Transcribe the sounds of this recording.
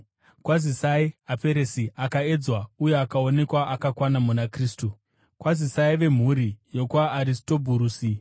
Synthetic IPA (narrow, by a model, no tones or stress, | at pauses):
kwazisaiape̞ɾesiakae̞d͡zwauje̞akaone̞kwaʔakakwanamunakriːstu | kwazisaiʋe̞m̤uːɾijo̞kwaːɾisto̞bʱuɾuːsi